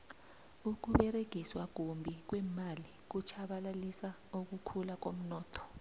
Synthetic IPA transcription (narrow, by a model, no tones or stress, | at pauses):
uk̬uɓɛɾeɡ̥ʱiswak̬umbʱik̬wɛmalik̬ut͡ʃʰaɓalalisa | uk̬ukʰulak̬om̩nɔːtʰɔ̥